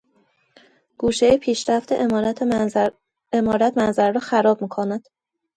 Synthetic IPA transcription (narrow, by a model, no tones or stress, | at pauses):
ɡ̥uːʃejepʰiːʃɾæft̪ʰḛʔeɾt̪ʰ | emɒːɾæt̪ʰmænzæɾɾɒːxæɾɒːb̚miːkʰonæd̪̥